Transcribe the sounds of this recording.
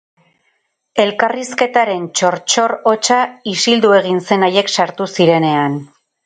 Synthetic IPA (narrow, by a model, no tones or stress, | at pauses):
e̞lkariske̞t̪aɾe̞nt͡ʃo̞ɾt͡ʃo̞ro̞t͡ʃaisild̪ue̞ɣ̞inse̞naje̞ksaɾt̪usiɾe̞ne̞an